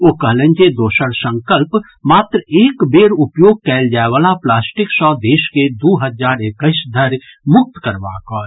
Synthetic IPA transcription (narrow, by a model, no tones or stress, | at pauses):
oːkəɦlẽnt͡ʃed̪oːʃəɽsə̃ŋkəlp | maːt̪ɾəeːkbeːɾʊpjoːɡ̚kɛːld͡ʒaːeʋaːlaplaːsʈɪksɔːd̪eːʃked̪uːɦəd͡ʒaːɾekəɪsd̪ʱəɾ | mʊk̚t̪kəɾʋa̰ːkɔːɾ